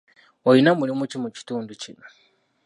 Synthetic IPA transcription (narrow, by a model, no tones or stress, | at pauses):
ojinamulimucimuci̥tuːnducino